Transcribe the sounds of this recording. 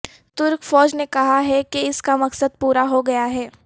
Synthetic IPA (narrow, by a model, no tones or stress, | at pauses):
t̪ʊɾkfɔːd͡ʒnekɐɦaɦɛkeɪskamɐksəd̪̚puːɾaɦoɡɐjaɦɛː